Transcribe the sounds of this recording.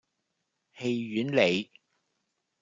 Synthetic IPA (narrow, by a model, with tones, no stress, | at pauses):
he˧jyː˨˥nle˨˧j